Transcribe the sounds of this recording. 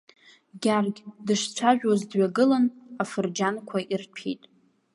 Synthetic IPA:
ɡʲarɡʲdɨʂt͡ɕʷʰaʒᶣwazdɥaɡɨlanafɨrd͡ʒankʷʰaʔirpʰḛjtʼ

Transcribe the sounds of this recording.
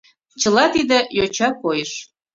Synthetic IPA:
t͡ɕəlɑt̪id̪ĕjot͡ɕɑkojəʃ

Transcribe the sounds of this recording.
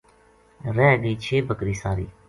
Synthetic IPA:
ɾɛːɡiːt͡ʃʰeːbʱəkɾiːsaːɾḭː

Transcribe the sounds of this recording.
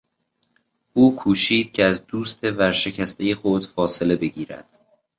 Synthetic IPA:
ʔuːkʰuːʃiːd̪̥̚cʰeæzd̪uːst̪ʰe̞væɾʃe̞cʰæst̪ʰejexod̪̥fɒːse̞le̞be̞ɟiːɾæ̰d̪̥

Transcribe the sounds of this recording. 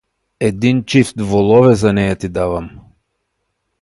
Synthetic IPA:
ɛd̪int͡ʃift̪vɔlˠɔvɛzanɛjat̪id̪avam

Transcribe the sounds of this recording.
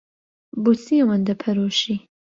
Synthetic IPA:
busiwɐnd̪ɐpʰɐɾoːʃi

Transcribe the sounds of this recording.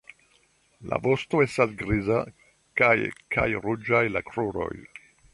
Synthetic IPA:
la̰vo̞sto̞e̞stasɡɾiza | kajka̰jɾud͡ʒajlakɾuɾo̞̰j

